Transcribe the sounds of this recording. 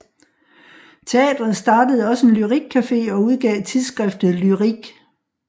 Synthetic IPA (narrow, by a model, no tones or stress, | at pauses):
t͡sʰe̝ɛ̰ːd̥ʁɐð̩ˠsd̥ɑ̈ːd̥əð̞̩ˠɒ̽səe̝nlyʁiɡ̥̚kʰæfe̝̰ːɒ̽uðˠɡ̥ɛ̰ːt͡sʰiðˠsɡ̥ʁɛfd̥ð̩ˠlyʁiɡ̥